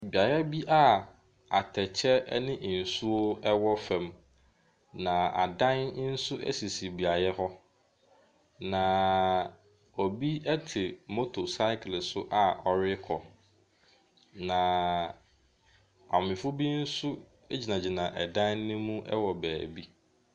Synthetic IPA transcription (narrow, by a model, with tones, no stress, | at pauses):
bi˨a˨jɛ˦bi˦ʔa˦˨ | a˨tʰɛ˨t͡ɕʰɛ˦nɪ̃˦ʔn̩˨su˦o˦ɛ˦wɔ˦fɛ̃˨m | nã˨a̰˨dã˦n˦n̩˦sʊ˦ʔɛ̰˦si˨si˨bi˨a˨jɛ˦hɔ˦ | nã˨ | o˨bi˦ɛ˦tʰɪ˨mo˦tʰo˨sa˦ɪ˦klɪ˨sʊ˦ʔa˦ɔ˦ɾɪ˦kʰɔ˨ | nã˨ | a˨mɪ̃˨fʊ˦bi˦n̩˦sʊ˦ | e˦d͡ʑi˨nã˨d͡ʑi˨nã˨ʔɛ˨dã˦nːɪ̃˦mũ˦ʔɛ̰˦wɔ˨bæː˨bi˦